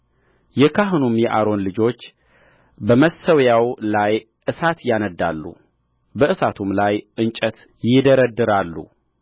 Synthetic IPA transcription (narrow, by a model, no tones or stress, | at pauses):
jɛkʰaɦɨnumjɛʔaɾo̞nlɨd͡ʒo̞t͡ʃː | bəməsəwjawlaj | ʔɨsat̪janəd̪ːa̰lːṵ | bəʔɨsat̪ʰumlajʔɨnt͡ʃʼət̪ | jɪd̪əɾəd̪ɨɾalːṵ